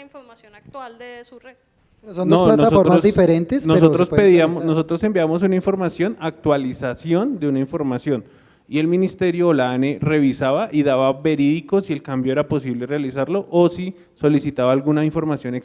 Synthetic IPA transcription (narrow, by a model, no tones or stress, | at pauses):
ifoɾmasjonak̚t̪wald̪esure | sonnolanoasofomaosd̪ifeɾent̪esnosot̪ɾoseðiamonos̬o̞t̪ɾose̞mbjaβamo̞s̬unaiɱfoɾmasjo̞nak̚t̪walisasjo̞nd̪e̞unaiɱfo̞ɾmasjo̞n | ie̞lminist̪e̞ɾjoːlanere̞βisaβaʔiðaβabe̞ɾiðiko̞sielkambjoe̞ɾapo̞s̬iβlerealisaɾloʔosi | so̞lisit̪aβaːlɡunaiɱfo̞ɾmasjo̞nek